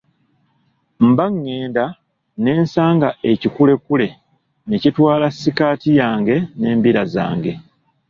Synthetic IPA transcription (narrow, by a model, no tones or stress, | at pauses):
m̩baŋːe̞ːnda | ne̞ːnsaːŋɡaʔe̞cikule̞kule̞ | necitwaːlasːikaːtijaːŋɡe̞ne̞ːmbiɾaza̰ːŋɡe̞